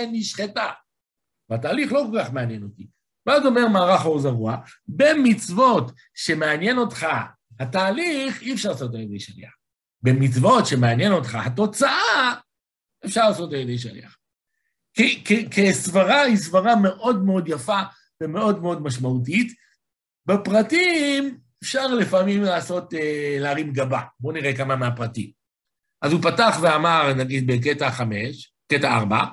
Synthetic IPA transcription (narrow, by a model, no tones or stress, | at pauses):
eniʃχeta | veataːliχlo̞kolkaχmeanje̞no̞ti | veazo̞me̞ʁmaːʁaχoʁzaʁuabe̞mit͡svo̞t | ʃe̞me̞anje̞no̞tχa | hataːliχiɛfʃaʁlaːsot̬ajed̪ejʃalḭaχ | bemit͡svo̞tʃe̞meanje̞no̞t̪χahato̞t͡saʔa | efʃaʁlaːso̞tajed̪ejʃalḭaχ | kikekesvaʁaisvaʁame̞ʔo̞dmeo̞djafa | veme̞o̞dmeo̞dmaʃmaut̬it | bepʁatim | efʃaʁlefamimlaːso̞teleaʁimɡababo̞niʁekamameapʁatḭm | ʔazupataχveamaʁnaɡid̪̚bek̬etaχameʃ | ketaaʁba̰